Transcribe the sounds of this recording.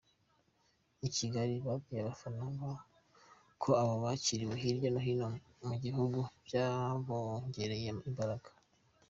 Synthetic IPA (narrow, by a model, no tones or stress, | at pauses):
iciɡaɾiβabɡijaβafaɾaŋɡa | kʰoaβoβaciɾiweɦiɾjonoɦino | muɡiɦuɡuvjaβoɲɟe̞ɾejeimbaɾaɡḁ